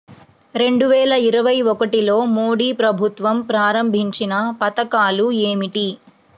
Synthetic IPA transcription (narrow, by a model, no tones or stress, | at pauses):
ɾe̞ɳɖuʋɛːlɐiɾɐʋɐjɔkɐʈilo̞ːmoːɽiːpɾɐbʱut̪ʋɐmpɾaːɾɐmbʱiɲt͡ʃinɐpɐt̪ɐkaːlueːmiʈi